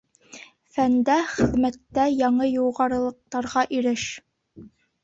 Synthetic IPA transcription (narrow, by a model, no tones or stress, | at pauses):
fænd̪æχɘ̆ðmæt̪ːæjɑɴɤjuʁɑɾɤ̆lˠɤ̆q̚t̪ɑɾʁɑʔiɾɘʃ